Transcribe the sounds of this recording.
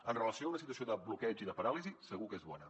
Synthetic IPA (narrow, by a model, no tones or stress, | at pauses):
ənrələsioaunəsit̪uəsioðəblukɛʒiðəpəɾalizisəɣ̞ukezβɔnə